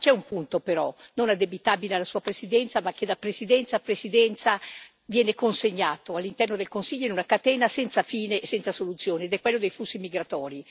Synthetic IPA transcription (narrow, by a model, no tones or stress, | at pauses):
t͡ʃɛumpunt̪opeɾɔnonad̪ebit̪aːbilealːasuːapɾesid̪ɛnt̪samak̟ːed̪apɾesid̪ɛnt̪sapɾesid̪ɛnt̪sa | vjɛːnekonseɲːaːt̪oalːint̪ɛrnod̪elkonsiʎːoinunakat̪ɛːnasɛnt̪safiːneːsɛnt̪sasolut̪sːjoːneːd̪ɛkːwelːod̪ejfusːimiɡɾat̪ɔːɾi